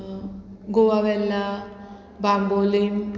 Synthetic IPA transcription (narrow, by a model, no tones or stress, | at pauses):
ɡowaʋɛlːa | baŋbolim